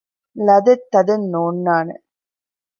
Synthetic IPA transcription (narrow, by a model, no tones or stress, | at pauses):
lɐd̪ɐt̪ːɐd̪ɐnːoːnːaːnɐ̰